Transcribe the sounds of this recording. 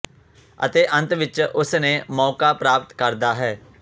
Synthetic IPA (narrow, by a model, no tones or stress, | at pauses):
ə̰t̪eːʔə̃nt̪ʋɪt͡ʃʊsneːmɔːkaːpɾaːp̚t̪kəɾd̪aːɦɛː